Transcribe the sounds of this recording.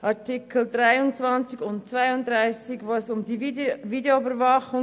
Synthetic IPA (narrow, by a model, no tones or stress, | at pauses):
ʔɑɐtʰɪkʰəl̩dʁaɪʊnt͡sv̥ɑnt͡sɪɡʊntt͡sv̥aɪʊndʁaɪsɪɡvosʊmdiːiviːdeoybəɾvɑχʊŋ